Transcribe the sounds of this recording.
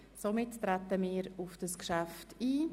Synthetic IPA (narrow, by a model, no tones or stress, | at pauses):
somɪtːɾɛtəmiːɾʊfd̥əskʃaftiː